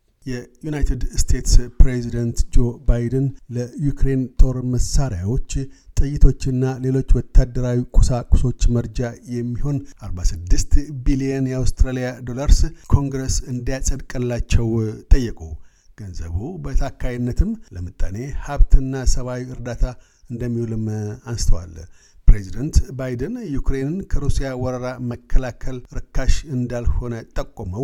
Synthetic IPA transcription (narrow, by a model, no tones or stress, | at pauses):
jɛjunajt̪ʰed̪st̪ʰe̞t̪spɾezid̪ənt̪d͡ʒo̞bajd̪ənləjukɾe̞nt̪ʰoɾməsaɾjawo̞t͡ʃːt̪ʼɨjːɪt̪ʰo̞t͡ʃːɨnːale̞lo̞t͡ʃːwɔt̪ʰːad̪ːəɾawikʼusakʼu̥so̞t͡ʃːməɾd͡ʒajɛmːiho̞nʔaɾbasɨd̪ːɨst̪biliɛnjɛawst̪ɾalijad̪o̞laɾskʰo̞ŋɡɾesɨnd̪ijasʼəd̪kʼəlːat͡ʃːɛwt̪ʼəjːɛkʼṵw | ɡ̥ənzə̰βubət̪ʰakʰːajinːət̪ʰɨmləmɨt̪ʼːa̰ne̞haβt̪ʰɨnːasəβawiɨɾd̪at̪ʰa | ɨnd̪əmːihulɨmansɨ̥t̪ʰəwa̰l | pɾezid̪ənt̪bajd̪ənjukɾenɨnkʰəɾusijawɔɾəɾaməkʰːəlakʰəlɾɨkʰːaʃɨnd̪alho̞nət̪ʼəkʼːoməw